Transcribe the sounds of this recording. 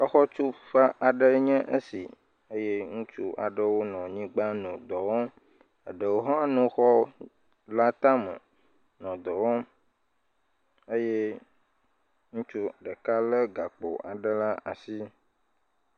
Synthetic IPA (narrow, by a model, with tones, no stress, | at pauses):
ə˦xɔ˦t͡ʃu˦ɸa˦ʔa˨ɖə˦ɲɛ̃˦ʔə˦sḭ˨ | e˦jɛ˦ŋũ˦t͡ʃṵ˦ʔa̰˨ɖə˦wo˦nɔ̃˨ɲĩ˦ɡ͡ba˦nũ˨d̪ɔ˨wɔ˦ | ə̰˨ɖə˨wo˦ɦã˦nũ˦xɔ˦ | la˦t̪a˦mə̰˨ | nɔ̃˨d̪ɔ˨wɔ˦ | ə˦jɛ˦ | ŋũ˦t͡ʃu˦˨ɖə˨ka˦lə˦ɡa˨k͡po̰˨ʔa˨ɖə˦la˦a˨si˦